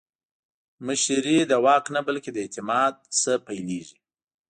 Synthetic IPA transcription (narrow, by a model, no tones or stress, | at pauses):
məʃɾid̪əwɑqnabalked̪əɪt̪ɪmɑd̪̚səpajleʒi